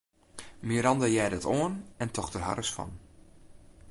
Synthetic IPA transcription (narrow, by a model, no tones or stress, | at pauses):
miəɾɑndajɛːdətʰoənɛntʰɔxdərɦa̰rəsfɔ̰n